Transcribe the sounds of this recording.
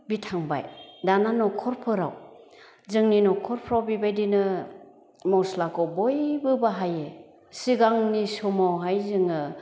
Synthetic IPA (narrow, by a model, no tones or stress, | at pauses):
bitʰaŋba̰jdananɔkʰɔɾpʰɯɾa̰w | zɯŋninɔkʰɔɾpʰɾawbibajdinɯ | mɔwslakʰɔbɔjbɯbaɦaje | siɡaŋnisɔmawɦajzɯŋɯ